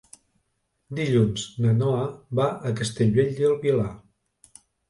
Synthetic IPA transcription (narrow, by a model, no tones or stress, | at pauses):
d̪iʎunznənɔəβaʔəkəst̪eʎweʎd̪əlˠβila